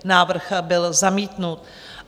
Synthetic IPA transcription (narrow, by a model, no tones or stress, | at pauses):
naːvr̩xbɪlzamiːt̪nut̪